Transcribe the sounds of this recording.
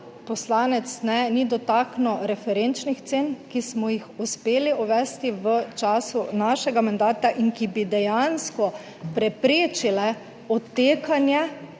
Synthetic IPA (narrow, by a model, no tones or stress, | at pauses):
pɔslaːnɛt̪snɛnid̪ɔt̪aːknɔɾɛfɛɾent͡ʃnixt̪seːnkismɔjixuspeːliɔʋɛːst̪iʋət͡ʃaːsunaʃɛɡamand̪aːt̪aʔiŋkibid̪ɛjanskɔ | pɾɛpɾeːt͡ʃilɛ | ɔt̪ːeːkanjɛ